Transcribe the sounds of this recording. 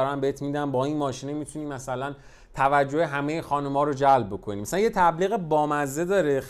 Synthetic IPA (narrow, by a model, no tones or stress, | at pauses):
ɾæmbeet̪ʰmiːd̪æmbɒːinmɒːʃiːnemit̪ʰuniːmæsælæn | t̪ʰævæd͡ʒːoheɦæme̞jexɒːnumɒːɾod͡ʒælbbo̞kʰo̞niːmæsælænjet̪ʰæbliːɣebɒːmæzːe̞d̪ɒːɾe